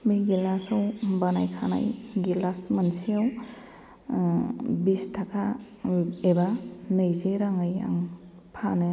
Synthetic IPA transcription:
miɡilasawbanajkʰana̰jɡilasmansijaw | bistʰakʰa | ebanɯjzeɾaŋɯja̰ŋ | pʰanɯ

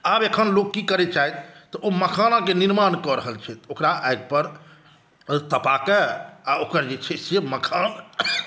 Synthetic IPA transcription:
abekʰənlokːikəɾɛt͡ʃaɦɛt̪t̪ːɔʔoməkʰanakeniɾmankɔɾəɦəlt͡ʃʰɛt̪okɾaʔajɡ̚pəɾ | t̪əpakeaokəɾd͡ʒet͡ʃʰɛseməkʰan

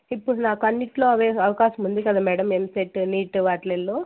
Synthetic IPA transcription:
ipːuɽunaːkɐnːiʈlo̞ːɐʋeːɐʋɐkaːʃɐmund̪ikɐd̪aːmɛːɽɐmemseʈniːʈʋaːʈlelːoː

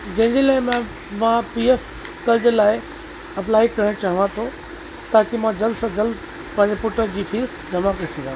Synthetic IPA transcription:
d͡ʑɐ̃ɦɪ̃ɲd͡ʑelaːɪmã | mãpief | kɐld͡ʑlaːɪ | ɐplaːɪkɐɾ̤ə̃ɽ̃t͡ɕaːɦɪ̃ʋãt̪ʰo | t̪aːkimãd͡ʑɐlsɐd͡ʑɐls | pɐ̃ɦɲd͡ʑepʊʈəɾd͡ʑiːfiːɾsd͡ʑɐmakɐɾesɐ̃ŋɡʱãː

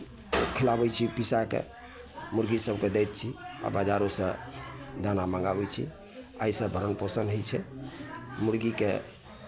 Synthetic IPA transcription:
kʰilabɛt͡ʃʰipisakḛ | muɾɡisəb̚ked̪ɛjt̪̚t͡ʃʰia̰bad͡ʒaɾosə̃d̪anamaŋɡabɛt͡ʃʰḭ | ajsə̃bʱəɾənposənɦojt͡ʃʰɛ | muɾɡikḛ

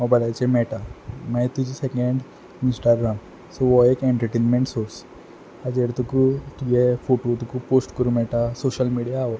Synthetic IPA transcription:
ɔbɐlajt͡ʃemɛːʈamɛ̃t̪ud͡ʒisekẽɳɖ | misʈaɾɡɾam | soʋoeːkẽɳʈəɾʈeːnmẽɳʈsoːɾs | ad͡ʒeɽt̪ukuʈ̪iɡepʰoːʈot̪ukupoːsʈkəɾũmɛʈasoːʃəlmiɖijao

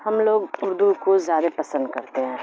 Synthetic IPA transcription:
hɐmloːɡʊɾd̪ukozjaːd̪apɐsə̃nd̪̚kɐɾt̪eɦɛ̃ː

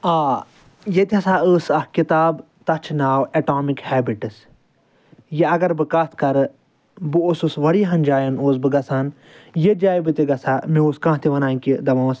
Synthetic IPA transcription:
aː | jet̪ʲɐsaːəːsɐhkit̪aːb | t̪ɐt͡ʃʰnaːwɐʈaːmikhɛːbiʈɐs | jeɐɡɐɾbɨkat̪ʰkɐɾ | bɨosusʋɐɽiɦɐnd͡ʒaːjɐnoːs̬bɨɡɐsaːn | jed͡ʒaːjbɨt̪iɡɐsaːmĩoːskãːt̪ʰiʋɐnaːikid̪ɐmãːs

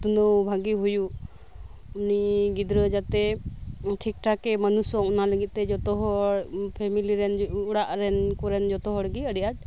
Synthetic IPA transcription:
t̪unəwbʱaɡiɦuju | uniɡid̪ɾəd͡ʒat̪ɛ | ʈʰik̚ʈʰakɛmənusɔunaləɡit̪̚t̪ɛd͡ʒɔt̪ɔɦɔɽpʰɛmiliɾɛnuɽaʔɾɛnkuɾɛnd͡ʒɔt̪ɔɦɔɽɡiəɽɛijat̪̚

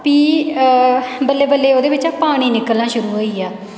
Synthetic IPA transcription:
piː | bəlːeːbəlːeːoːd̪eːbɪt͡ʃaːpaːɽ̃iːnɪkəlnãːʃʊɾuːɦoːiːaː

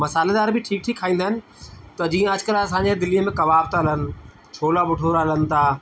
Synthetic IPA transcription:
mɐsaːled̪aːɾbɪʈʰiːk̚ʈʰiːkʰːaːĩːnd̪əɦɪnɪ̆ | t̪ɐd͡ʑiːə̃ɐd͡ʑkəɾɐsãːɲd͡ʑed̪ɪlijəmẽkɐʋaːbt̪ɦɐlənɪ̆ | t͡ɕʰoːlaɓʊʈʰoɾɦələn̆t̪ʰaː

